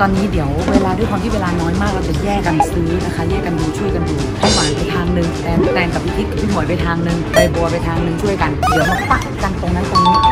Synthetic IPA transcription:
t̪ɔː˧nːiː˦˥di˨˩˦əwweː˧laː˧du˥˩jkʰwaː˧t̪ʰi˥˩weː˧laː˧nɔː˦˥jmaː˥˩k̚ɾaː˧˩t͡ɕa˨˧˩jɛː˥˩ka˧nsɯː˦˥na˦˥kʰa˦˥˩jɛː˥˩ka˧nduː˧t͡ɕʰu˥˩əjka˧nduː˧˩t̪ʰa˥˩maː˨˩˦jpa˧jt̪ʰaː˧ŋnɯ˧ŋ | ɛː˧n˦˥kaː˧nka˨˩p̚wi˦˥t̪ʰi˦˥t̪̚pʰi˦˥˩mɔː˨˩˦jpa˧jt̪ʰaː˧ŋnɯ˧ŋa˧jbu˧ɐpa˧jt̪ʰaː˧ŋnɯ˧ŋt͡ɕʰu˥˩əjka˧ndi˨˩˦əwma˦˧˥pa˧˩ | t͡ɕa˧ŋt̪o˧ŋna˦˥nt̪oː˧ŋniː˦˥˩

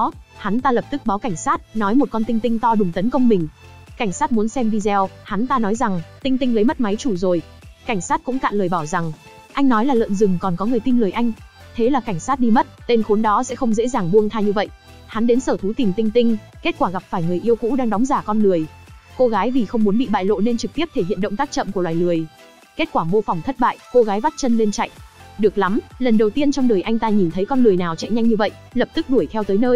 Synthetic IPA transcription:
ha˨˦nt̪aː˧lə˨˩p̚t̪ɨ˦˥k̚ɓaː˨˦wka˧˩jŋ̟saː˦˥t̚nɔ˨˦jmo˨˩kɔ˧nt̪i˧ŋ̟t̪ï˧ŋt̪ɔ˧ɗʊ˨˩ŋ͡mt̪ə˨˦nkə˧wŋ͡mmï˨˩ŋ̟ | ka˧˩jŋ̟saː˦˥t̚mu˨˦ənsɛ˧mɗi˧zɛ˧wha˨˦nt̪aː˧nɔ˨˦jza˨˩ŋt̪ï˧ŋt̪ï˧ŋ̟lə˨˦jmə˦˥t̚ma˨˦jt͡ɕu˧˩zo˨˩j | ka˧˩jŋ̟saː˦˥t̚kʊ̰˧˥ŋ͡mka̰ː˧˨nləː˨˩jɓaː˧˩wza˨˩ŋ | ʔa˧jŋ̟nɔ˨˦jlaː˨˩lə̰ː˧˨nzɨ˨˩ŋkɔ˨˩nkɔ˨˦ŋɨ˨˩əjt̪i˧nlɨ˨˩əjʔa˧jŋ̟ | t̪ʰe˨˦laː˨˩ka˧˩jŋ̟saː˦˥t̚ɗi˧mə˦˥t̚t̪e˧nxu˨˦nɗɔ˨˦sɛ̰˧˥xə˧wŋ͡mzḛ˧˥zaː˨˩ŋɓu˧əŋt̪ʰaː˧ɲɨ˧və̰˧˨j | ha˨˦nɗe˨˦nsəː˧˩t̪ʰu˨˦t̪i˨˩mt̪ï˧ŋ̟t̪ï˧ŋ̟ke˦˥t̚kwaː˧˩ɣa˨˩p̚faː˧˩jŋɨ˨˩əjʔi˧əwkṵ˧˥ɗaː˧ŋɗɔ˨˦ŋ͡mzaː˧˩kɔ˧nlɨ˨˩əj | ko˧ɣaː˨˦jvi˨˩xə˧wŋ͡mmu˨˦ənɓḭ˧˨ɓa̰ː˧˨jlo̰˧˨ne˧nt͡ɕɨ˨˩k̚t̪i˦˥əp̚t̪ʰe˧˩hḭ˧˨ənɗə̰˧˨ŋ͡mt̪a˦˥k̚t͡ɕə̰˧˨mku˧˩əlwaː˨˩jlɨ˨˩əj | ke˦˥t̚kwaː˧˩ɓo˧fɔ˨˩wŋ͡mt̪ʰə˦˥t̚ɓa̰ː˧˨jko˧ɣaː˨˦jva˦˥t̚t͡ɕə˧nli˧ənt͡ɕa̰˧˨jŋ̟ɗɨ˨˩ək̚la˨˦mlə˨˩nɗə˨˩wt̪i˧ənt͡ɕɔ˧wŋ͡mɗə˨˩jʔa˧jŋ̟t̪aː˧ɲi˨˩nt̪ʰə˨˦jkɔ˧nlɨ˨˩əjnaː˨˩wt͡ɕɛ̰˧˨ɲa˧ŋ̟ɲɨ˧və̰˧˨jʔlə˨˩p̚t̪ɨ˦˥k̚ɗu˧˩əjt̪ʰɛ˧wt̪əː˨˦jnəː˧j

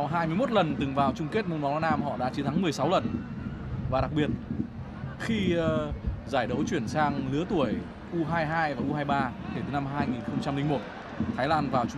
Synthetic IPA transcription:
wɦaː˧jmɨ˧jmo˦˥t̚lə˨˩nt̪ɨ˨˩ŋvaː˨˩wt͡ɕʊ˧ŋ͡mke˦˥t̚m˧nmwwa˧˦˥naː˧mhɔ̰˧˨ɗa̰ː˧˥t͡ɕi˨˦t̪ʰa˨˦ŋmɨ˨˩əjsa˨˦wlə˨˩n | vaː˨˩ɗa˨˩k̚ɓi˨˩ət̚ | xi˧ | zaː˧˩jɗə˨˦wt͡ɕwi˧˩ənsaː˧ŋlɨ˨˦ət̪u˧˩əj | ʔu˧ɦaː˧jɦaː˧jvaː˨˩ʔu˧ɦaː˧jɓaː˧ke˧˩t̪ɨ˨˩na˧mɦaː˧jŋi˨˩nxə˧wŋ͡mt͡ɕa˧mlï˧ŋmo˨˩t̚ | t̪ʰaː˨˦jlaː˧nvaː˨˩wt͡ɕ

